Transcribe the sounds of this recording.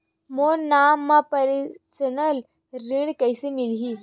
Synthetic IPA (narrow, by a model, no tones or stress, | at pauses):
monaːmːapɐɾsənəl | ɾɪɽkɐɪsemɪlɦiː